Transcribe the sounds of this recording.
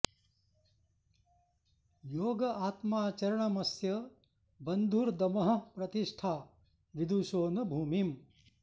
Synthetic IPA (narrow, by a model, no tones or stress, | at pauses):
joːɡɐʔaːt̪maːt͡ʃɐɾɐɳɐmɐsjɐ | bɐnd̪ʱuːɾd̪ɐmɐɦɐ̆pɾɐt̪iʂʈʰaː | ʋid̪ʱuʃoːnɐbʱuːmim